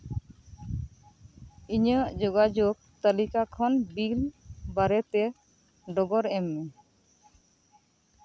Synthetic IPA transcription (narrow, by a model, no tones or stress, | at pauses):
iɲəʔd͡ʒoɡad͡ʒoɡ̚t̪alikakʰɔnbilbaɾɛt̪ɛ | ɖɔɡɔɾɛmːe